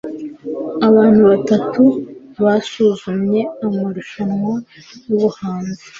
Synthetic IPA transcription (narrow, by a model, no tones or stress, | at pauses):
aβaːn̥huβatatʰuβasuːzumɲe̞amaɾuʃanŋwa | juβuhaːnze